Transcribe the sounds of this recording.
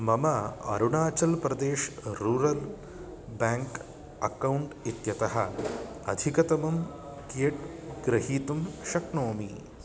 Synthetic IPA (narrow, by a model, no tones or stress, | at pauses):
mɐmɐɐ̰ɾuɳaːt͡ʃɐlpɾɐd̪eːʃɾuɾɐl | baːŋk | ɐkɐwuɳʈit̪jɐt̪ɐɦɐ | ɐ̰d̪ʱikɐt̪ɐmɐmkeʈɡɾɐɦiːt̪umʃɐknoːmi